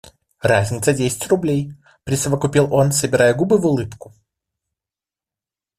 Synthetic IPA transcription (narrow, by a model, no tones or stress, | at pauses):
razʲnʲɪt̪sədʲesʲɪ̥tʲrʊblʲej | pɾʲɪsəvəkʊpʲilˠo̞nsəbʲɪɾajəɡubɨvʊlˠɨpkʊ̥